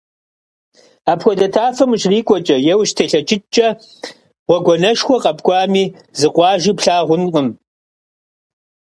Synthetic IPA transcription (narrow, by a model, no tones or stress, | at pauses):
aːpxʷɔdɐtʰaːfɐmʃriːkʷʼɔt͡ʃʼɐjɛwʃtʰeːɬɐt͡ʃʼɪt͡ʃʼɐ | ʁʷɔɡʷɔnɐʃxʷɔqʼɐpʰɡʷɑːmiː | zɨqʷʼɑːʒiːpɬaːʁʷʊnqʼəm